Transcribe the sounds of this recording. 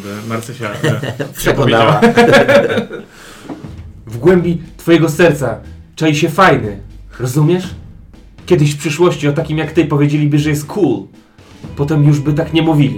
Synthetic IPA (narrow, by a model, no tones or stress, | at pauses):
bɛmaɾt̪sɛʃapʂɛkɔvj̪aaa | vɡwɛmʲbʲit̪fɔjɛɡɔsɛɾt̪sat͡ʂɛjiɕɛfajnɘɾɔzumʲjɛʂ | kʲɛd̪ɘɕfpʂɘʂwɔɕt͡ɕiɔt̪akʲimjakt̪ɘpɔvjed͡ʑelʲibɘʐɛjɛst̪̚kʰul | pɔt̪ɛmjuʐbɘt̪akɲɛmuvʲilʲi